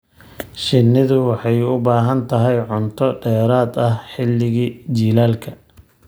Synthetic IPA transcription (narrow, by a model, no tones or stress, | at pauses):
ʃɪnːɪðʊwɑħɑjʊbaːɦɐnt̪ʰɐɦɛjʕʊnt̪ʰɔɖɛːɾaːd̪ɐhħɪlːɪɣiːt͡ʃiːlaːlkʰɐ